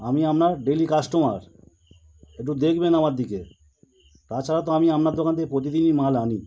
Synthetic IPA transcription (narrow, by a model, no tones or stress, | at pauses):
amiamnaɾɖelikasʈoma̰ɾ | ek̚ʈud̪ekʰbenamaɾd̪ike | t̪aɾt͡ɕʰaɾat̪oamiamnaɾd̪okant̪epɾot̪̬id̪inimalani